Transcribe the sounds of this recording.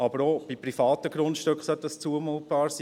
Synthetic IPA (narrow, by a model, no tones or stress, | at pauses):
ɑbəɾob̥ipɾifɑːtəɡɾʊntʃtøkχsœtdɑst͡suəmuːt̚b̥ɑːɾsiː